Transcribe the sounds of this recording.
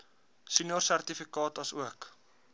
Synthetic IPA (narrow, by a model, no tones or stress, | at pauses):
sinjorsært̪ifikɑːtɐsuək